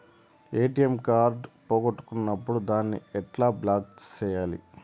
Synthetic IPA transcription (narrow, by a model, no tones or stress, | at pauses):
eːʈiɐmkaːɾɖpoːɡoʈːu̥kunːɐpːuɽud̪aːnːḭɛʈlaːblaːkt͡ʃɛːjaːlḭ